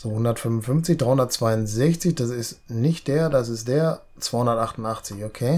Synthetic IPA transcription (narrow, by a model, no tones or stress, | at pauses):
z̥oːhʊndɐtfʏmvʊn̩fʏmft͡sɪçd̥ʁaɪhʊndɐt̚t͡sv̥aɪʊnzɛçt͡sɪçd̥as̬ɪstnɪçt̚d̥eːɐdas̬ɪstd̥eːɐ | t͡sv̥aɪhʊndɐtʔaχtn̩taχt͡sɪçokʰeː